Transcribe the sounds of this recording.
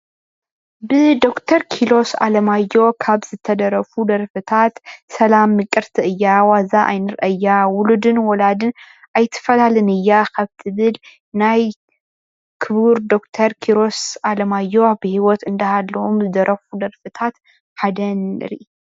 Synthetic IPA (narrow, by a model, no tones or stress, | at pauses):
bɨd̪o̞kt̪ʰɐɾkʰilo̞sa̰lɐmajːo̞kʰaβz̥ɨt̪ʰɐd̪ɐɾɐfud̪ɐɾfɨt̪ʰat̪sɐlamːɨkʼːɨɾt̪ʰiʔɨjːawazaʔa̰jnɨɾʔɐjːawʊlud̪ɨnwɔlad̪ɨn | ʔajt̪ʰːɨ̥fɐlalɨnɨjːakʰaβt̪ʰɨβɨl | naj | kʰɨβuɾd̪o̞kt̪ʰɐɾkʰiɾo̞salɐmajːo̞bɨhiwɔt̪ɨnd̪ɐhalːɐomzɨd̪ɐɾɐfud̪ɐɾfɨt̪ʰat̪ | ħad̪ɐnɨ̰ɾḭʔ